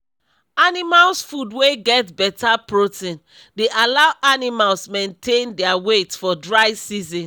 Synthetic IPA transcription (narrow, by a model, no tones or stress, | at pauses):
animalsfudweɡɛtbɛtapɹotĩn | deʔalaʊʔanimalsmẽntʰẽndɛawetfɔdɹaɪsizĩn